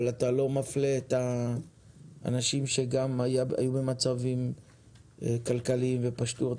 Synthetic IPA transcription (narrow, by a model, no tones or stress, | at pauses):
lat̪alo̞mafleːt̪a | a̰naʃimʃe̞ɡamajaa̰jubemat͡savim | ekalkalimve̞paʃtu